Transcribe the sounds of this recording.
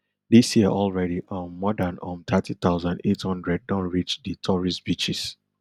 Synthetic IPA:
disjiəʔɔlˠɹɛɾiʔə̃nmɔdãnɔ̃mt̪ʰatit̪aʊzãndethʌ̃ndɹɛd̚dɔ̃nɹit͡ʃditʰɔɹisb̥it͡ʃis

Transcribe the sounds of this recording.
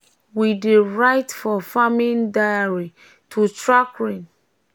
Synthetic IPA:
wideɹaɪtfɔfamĩndajaɹi | tʰutɹakɹĩn

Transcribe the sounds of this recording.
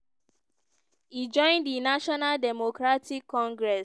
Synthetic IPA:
id͡ʒɔ̃ɪ̃nddinaʃɔnaldɛmokɹatʰikʰːɔ̃ŋɡɹɛs

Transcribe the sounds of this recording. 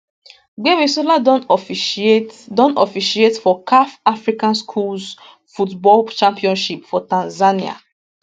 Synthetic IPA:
ɡemisolaf | dɔ̃nɔfiʃietfɔkʰafafɹikãnskʰuls | futbɔlt͡ʃãmpiɔ̃nʃipfɔtãnzania̰

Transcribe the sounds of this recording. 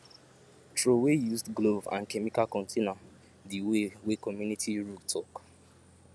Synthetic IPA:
tɹowejuzdɡlovã̰nkɛmikalkɔ̃ntʰenɔ̃ | diwewekɔmjunitʰiɹutʰɔk

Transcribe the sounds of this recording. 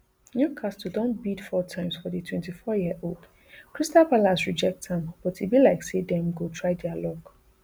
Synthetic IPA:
njukʰastudɔ̃nbidfɔtʰãɪ̃msfɔditʰwɛ̃ntifɔjiəʔold̥ | kʰɹistalpalasɹid͡ʒɛk̚tɛ̃mb̥ɔtibilaɪksedɛ̃mɡotʰɹaɪdɛalɔk

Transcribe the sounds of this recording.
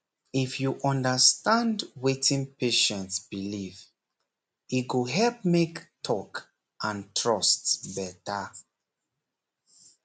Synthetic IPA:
ifjuʔɔ̃ndəstãndwetĩnpeʃɛ̃ntsbiliv | iɡoɦɛlp̚mektʰɔk | ʔãntʰɹɔstbɛtə

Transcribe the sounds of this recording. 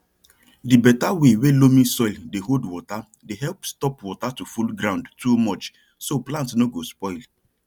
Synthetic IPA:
dibɛtawewelomĩsɔɪldeɦodwɔta | deɦɛlpstɔpwɔtatufulɡɾãʊ̃ndtumɔt͡ʃ | soplãntsnoɡospɔɪl

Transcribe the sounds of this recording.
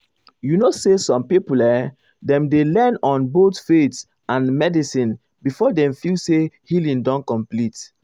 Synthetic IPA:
junosesɔ̃mpipulɛ | dɛ̃mdelɛnɔ̃nbotfet | ãnmɛdisĩn | bifɔdɛ̃mfilsehilĩndɔ̃nkɔ̃mplit

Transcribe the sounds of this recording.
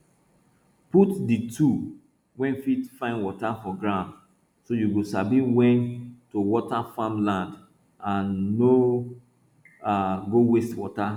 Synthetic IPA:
putditʰu | wɛ̃nfidfãɪ̃nwɔtafɔɡɹãʊ̃nd | sojuɡosabĩwɛ̃ntowɔtafãmlãnd | ãnːo | aɡowestwɔta

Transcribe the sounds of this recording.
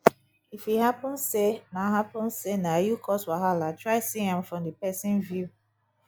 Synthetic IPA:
ifiɦapʊ̃nsenaɦapʊ̃nsenajukʰɔswaɦalatɹaɪsiãmfɹɔ̃mdəpɛsĩnvju

